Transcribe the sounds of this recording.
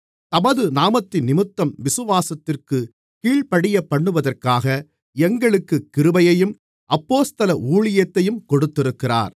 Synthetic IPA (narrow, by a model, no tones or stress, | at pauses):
t̪ɐmɐðɯnaːmɐt̪ːɪnːɪmɯt̪ːɐmʋɪsɯʋaːsɐt̪ːɪrkɯ | kiːɭpɐɽɪjɐpːɐɳːɯʋɐðɐrkaːɣɐ | ɛŋɡɐɭɯkːɯkːɪɾɯbɐjɐjɯm | ʔɐpːoːst̪ɐlɐʔuːɭɪjɐt̪ːɐjɯmkɔɽɯt̪ːɪɾɯkːɪra̰ːɾ